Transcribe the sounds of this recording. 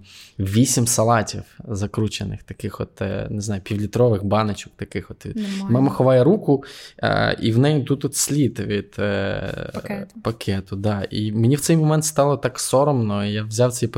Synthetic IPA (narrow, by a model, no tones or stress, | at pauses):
ʋʲisʲimsɐlˠɑtʲiwzɐkɾut͡ʃenɪ̰xt̪ɐkɪxɔt̪neznɑjʊpʲiwlʲit̪ɾɔʋɪxbɑnɐt͡ʃɔk̚t̪ɐkɪxɔt̪mɑmɐxɔʋɑjɛɾukʊ̰ | ḭwnɛjʊt̪ut̪ɔt̪sʲlʲit̪ʋʲid̪̥ | pɐkʰɛt̪ʊd̪ɑḭmɪnʲiwt̪sɛjmɔmɛnt̪st̪ɑlˠɔt̪ɑksɔɾɔmnɔijaʋzʲaw̪sɛj